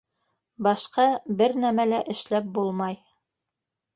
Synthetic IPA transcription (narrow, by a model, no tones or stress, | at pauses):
bɑʃqɑbɘɾnæmælæʔɘ̆ʃlæp̚bulˠmɑj